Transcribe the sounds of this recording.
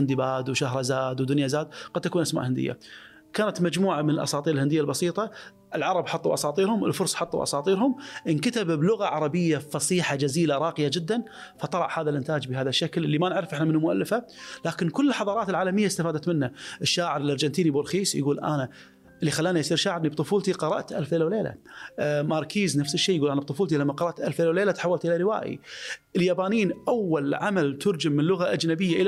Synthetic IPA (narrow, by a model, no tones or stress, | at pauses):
ɪnd̪ibaːd̪wʃahɾˤɑzaːd̪wd̪ʊnjazaːd̪̚qad̪̚t̪akuːnʔasma̰ʔhɪnd̪ɪ̰jːa̰ | kaːnat̪mad͡ʒmuːʕamɪnəlʔɑ̰sˤɑːt̪ˤiːɾɪlhɪnd̪ɪjːalbɑsiːt̪ˤɑ | ʔɪlʕɑɾˤɑbħɑt̪ˤːuʔɑsˤɑːt̪ˤiːɾhʊmɪlfʊɾˤsˤħɑt̪ˤːṵʔɑ̰sˤɑːt̪ˤiːɾhʊmʔnkat̪abblʊɣaʕɑɾˤɑbɪjːafɑsˤiːħad͡ʒaziːlaɾˤɑːqɪjad͡ʒɪd̪ːan | fɑt̪ˤɑlɑ̰ʕhaːðalʔɪnt̪aːd͡ʒbɪhaːðaʃːakllːimanɪʕɾɪfʔɪħnamɪnːumʊʔa̰lːɪfhalaːkɪnkʊlːəlħɑðˤɑːɾˤɑːt̪ɪlʕaːlamɪjːaɪst̪afaːd̪at̪mɪnːaʔɪʃːaːʕɪɾɪlʔɑɾˤd͡ʒant̪iːnibʊɾxiːsjɡuːlʔa̰na | ʔɪlːixalːaːnajsˤiːɾʃaːʕɪɾnibt̪ˤʊfuːlt̪iqɑɾˤɑ̰ʔt̪ʔalfleːlawleːla̰mɑɾˤkʰiːznafsɪʃːeːjɡuːlʔanab̚t̪ˤʊfuːlt̪ilamːaqɑɾˤɑʔt̪ʔalfleːlawleːlat̪ħawːalt̪ʔɪlaɾɪwa̰ːjḭʔɪljaːbaːniːnʔawːalʕamalt̪ʰʊɾd͡ʒɪmːɪnlʊɣaʔad͡ʒnabɪjːaʔɪla